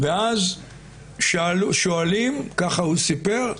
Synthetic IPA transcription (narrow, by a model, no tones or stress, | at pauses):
veaz | ʃluʃoalimkaχahusipe̞ʁ